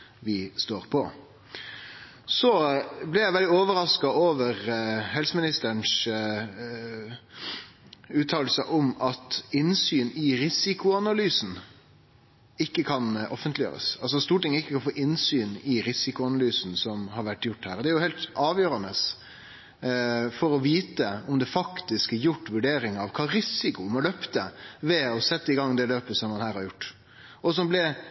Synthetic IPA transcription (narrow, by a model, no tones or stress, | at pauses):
ʋɪst̪oːɾpʰɔ | sɔblɪɾjæɪʋɛld̪ɪoːʋəɾɑskɑoːʋəʁhɛlsəmɪnɪst̪əɳs | ʉːt̪ʰɑːll̩səʔɔmɑt̪ɪnsyːnɪɾɪsɪkʊɑnɑlyːsn | ɪkːəkʰɑnʔɔfənt̪lɪjø̰ːɾə̰sɑls̬ɔst̪uːʈɪŋəɪkːəkʰɑnfoːʔɪnsyːnɪɾɪsɪkʊɑnɑlyːsn̩sɔmɦɑɾʋæʈːjʊʈːhæːɾɔd̪ɛæɾjʊhɛːlt̪ɑːʋjøːɾɑnəs | fɔɾɔʋiːt̪əɔmd̪ɛfɑkt̪ɪskæɾjʊʈːʋʉɖeːɾɪŋɑʋkʰɑːɾɪsɪkʊmɑløpt̪əʋɛɔsɛt̪ːəɪɡɑŋːd̪ɛløːpəsɔmːɑnhæːɾhɑɾjʊʈː | ɔs̬ɔmblɪ